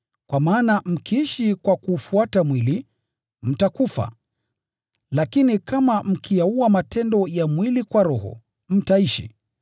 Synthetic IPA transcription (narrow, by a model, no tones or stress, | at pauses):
kwamaːnam̩kiiʃikwakuːfuatamwili | m̩takufa̰ | lakinikamam̩kʰijauamatʰɛndɔjamwilikwaɾɔɦɔ̰ | m̩taiʃḭ